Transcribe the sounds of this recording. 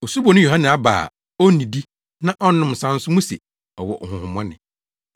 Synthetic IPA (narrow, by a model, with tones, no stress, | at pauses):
o˨su˦bo˨nʊ̃˦jo˨ɦã˦nɛ̃˨a˦ba̰ː˨ | o˦nĩ˨di˦ | nã˦ʔɔ˦nʊ̃˦m˨sã˦n˦sʊ˦mũ˦se˨ | ɔ˨wɔ̰˨ʔhʊ̃˨hʊ̃˨mɔ̃˦nɪ̰̃˨